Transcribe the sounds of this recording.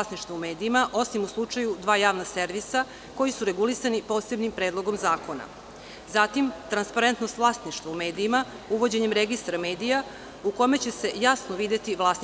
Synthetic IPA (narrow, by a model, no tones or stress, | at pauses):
sniʃt̪vaume̞ːd̪iimaʔo̞simuslˠut͡ʂajud̪ʋaːjaːʋnase̞ɾʋisa | ko̞jisuɾe̞ɡulisanipo̞ːse̞bnimpɾeːd̪lˠo̞ɡo̞mzaːko̞na̰ | zat̪imt̪ɾanspaɾe̞nt̪no̞st̪ʋlaːst̪niʃt̪ʋaume̞ːd̪iima | uʋo̞d͡ʑe̞ɲemɾeɡist̪ɾame̞ːd̪ija | ukome̞t͡ɕese̞jasnoʋid̪et̪iʋlˠaːs